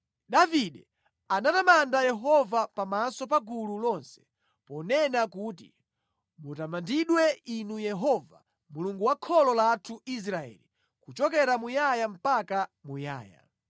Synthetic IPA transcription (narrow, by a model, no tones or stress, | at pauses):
ɗaviɗɛ | anatamandajɛɦɔvapamasɔp̬aɡululɔnsɛ̥ | pɔnɛnakuːtḭ | mutamandiɗwɛinujɛɦɔva | muluŋɡuwakʰɔlɔlatʰuis̬ɾaɛ̰li | kut͡ʃɔkɛɾamujajam̩pakamuja̰ːja̰